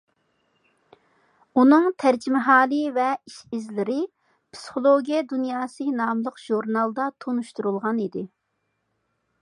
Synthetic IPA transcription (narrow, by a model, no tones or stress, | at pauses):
unɨŋt̪ʰæɾd͡ʒimɪɦɑːlˠɨvɛiʃizlɪɾɪ | pʰsi̥χolˠoɡʲijɛd̪unjɑːsɨnɑːmlˠəqʒ̥uɾnɑlˠd̪ɑt̪ʰonuʃt̪uɾulˠʁɑnid̪ɪ